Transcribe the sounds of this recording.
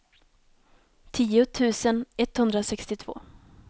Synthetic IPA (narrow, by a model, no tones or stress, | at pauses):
t̪ʰiːʊt̪ʰʉ̟ːsənɛt̪hɵnd̪ɾasɛkst̪ɪt̪ʰv̥o̰ː